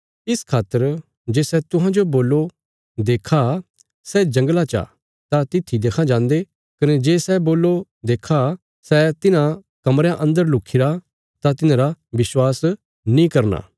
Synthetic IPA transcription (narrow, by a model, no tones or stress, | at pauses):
ɪskʰaːt̪ːəɾ | d͡ʒeːsɛt̪ʊɦãd͡ʒoboːlːo | d̪eːkʰa | sɛd͡ʒɐ̃ŋɡlat͡ʃa̰ | t̪at̪ɪt̪ʰːid̪eːkʰãd͡ʒãːnd̪e | kɐned͡ʒeːsɛboːlːo | d̪eːkʰa | sɛt̪ɪnã | kɐmɾãʔɐ̃nd̪əɾlʊkʰɪɾa | t̪at̪ɪnãɾaʋɪswaːs | nĩkɐɾna̰ː